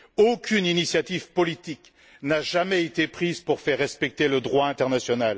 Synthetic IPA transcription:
okʲyninisjat̪ivpɔlit̪ik | naʒamɛet̪epχizpuʁfɛʁːɛspɛk̚t̪eləd̪ʁwaɛ̃t̪ɛʁnasjɔnal

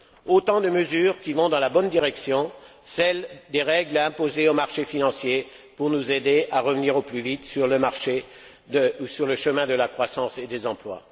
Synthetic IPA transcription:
ot̪ɑ̃d̪əməzyːʁkʲivɔ̃d̪ɑ̃labɔnd̪iʁɛksjɔ̃ | sɛld̪eʁɛɡlɛ̃pozeomaʁʃefinɑ̃sje | puʁnuzed̪eʔaʁəvəniʁoplyvit̪syʁləmaʁʃe | d̪əusyʁləʃəmɛ̃d̪əlakχwasɑ̃sed̪ezɑ̃plwa̰

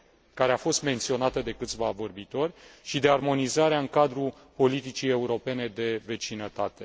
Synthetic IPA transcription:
kaɾe̞afo̞st̪me̞nt̪sio̞nat̪əd̪e̞kɨt̪sʲvavo̞rbit̪o̞rʲʃid̪e̞armo̞nizaɾeaɨŋkad̪ɾu | po̞lit̪it͡ʃije̞uɾo̞pe̞ne̞d̪e̞ve̞t͡ʃinət̪at̪e̞

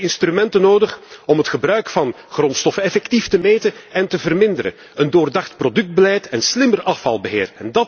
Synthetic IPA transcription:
ɪnstrymɛntənoːdəχɔmɦətxəbrœɥkfɑn | χrɔntstɔfənɛfɛktiftəmeːtəɛntəvərmɪndəɾə̰ | əndoːrdɑxtprodɵk̚d̚bəlɛjtɛnslɪmərɑfɑ̰lˠbəɦɪːrɛndɑt

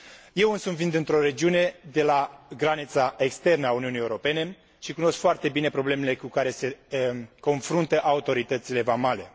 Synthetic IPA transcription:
je̞wɨnsunvind̪ɨnt̪ɾo̞ɾe̞d͡ʒiune̞d̪e̞laɡɾanit̪saekst̪e̞rnəauniunijeuɾo̞pe̞ne̞ | ʃikuno̞skfoart̪e̞bine̞pɾo̞ble̞me̞le̞kukaɾe̞se̞ko̞nfɾunt̪əʔaut̪o̞ɾit̪ət̪sile̞vamale̞

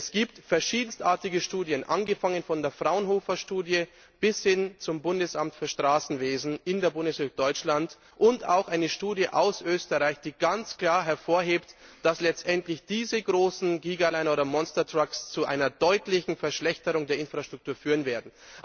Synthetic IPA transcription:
ɛsɡ̥iːptfɛɐʃiːdn̩stʔaːɐtɪɡəʃtuːdjənʔa̰nɡəfaŋənfɔndeːɐfʁ̥aʊənɦoːfɐʃtuːdjə | b̥ɪshɪnt͡sʊmbʊndəsʔamtfyːɐʃtʁ̥aːsn̩veːzn̩ʔɪndeːɐbʊndəsøk̚d̥ɔʏt͡ʃlant | ʔʊnta̰ʊxʔaɪnəʃtuːdjəʔaʊsʔøːstəʁaɪçd̥iːɡant͡skl̥aːɐɦɛɐfoːɐɦeːptd̥aslɛt͡stʔɛntlɪçd̥iːzəɡʁoːsn̩ɡiːɡalaɪnoːdɐmɔnstɐtʁ̥akst͡suʔa̰ɪnɐdɔʏtlɪçn̩fɛɐʃlɛçtəʁʊŋdeːɐɪnfʁ̥aʃtʁ̥ʊk̚tʰuːɐfyːʁənveːɐdn̩

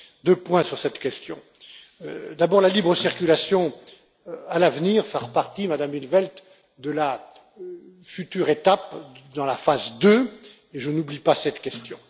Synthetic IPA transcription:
d̪øpwɛ̃syʁsɛt̪kʲɛst̪jɔ̰̃ | d̪abɔʁlalibʁəsiʁkʲylasjɔ̃ | alavniʁfɛʁpaʁt̪imad̪amilvɛlt̪ | d̪əla | fyt̪yʁet̪apd̪ɑ̃lafazd̪ø | eʒənublipasɛt̪kʲɛst̪jɔ̰̃

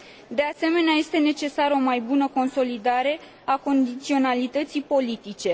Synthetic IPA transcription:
d̪e̞ase̞me̞neaje̞st̪e̞ne̞t͡ʃe̞saɾəo̞majbunəko̞nso̞lid̪aɾe̞ | ako̞nd̪it̪sio̞nalit̪ət̪sipo̞lit̪it͡ʃe̞

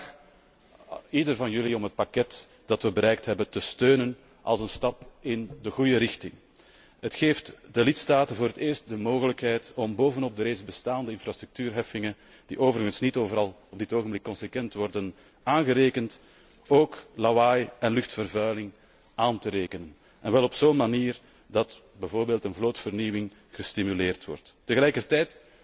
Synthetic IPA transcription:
idərvɑnjʏliɔmɦət̚pakɛt | d̥ɑtʋəbəɾɛjk̚tɦɛbəntəstøːnən | ʔɑ̰lˠzənstɑpɪndəɣujəɾɪxtɪŋ | ɦətxeːftdəlɪtstaːtənvoːɾəteːrst̚dəmoːɣələkɦɛjtɔmboːvənɔb̚dəɾeːzbəstaːndəɪnfrastɾʏk̚tyːrɦɛfɪŋən | d̥ḭʔoːvəɾəɣənsnitoːvəɾɑlˠɔbdɪtoːɣəmblɪkːɔnsəkʋɛntʋɔrdən | aːnɣəɾeːkənt | oːklawajɛnlʏxtfərvœɥlɪŋ | aːntəɾeːkənən | ɛnʋɛlˠɔpsoːnmaniːr | dɑt | bɛvoːrbeːlˠtənvloːtfərniwɪŋ | ɣəstimyleːrtʋɔ̰rtːəɣəlɛjkərtɛjt

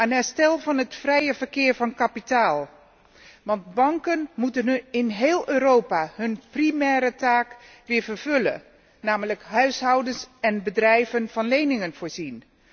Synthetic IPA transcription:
aːnɛɹstɛlˠvɑnɦətfrɛjəvəɹkɪːɹvɑnkapitaːlˠ | ʋɑndbɑŋkənmutənɪnɦeːlˠøːɾowpaːɦɵnprimɛːɾətaːk | ʋɪːɹvəɹv̥ɵlə̰ | naːmələkɦœɥsɦɑwdənsɛnbədrɛjvənv̥ɑnlejnɪŋənv̥ʊːɹzin

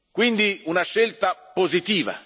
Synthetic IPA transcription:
kwind̪iunaʃːelt̪apozit̪iːva̰

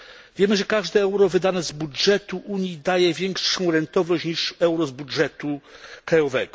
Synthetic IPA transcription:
vʲjɛmɘʐɛkaʐd̪ɛɛwɾɔvɘd̪anɛzbudʐɛt̪uʔuɲjid̪ajɛvʲjɛŋkʂɔ̃w̃ɾɛnt̪ɔvnɔɕɲiʂɛwɾɔzbudʐɛt̪ukɾajɔvɛ̰ɡɔ

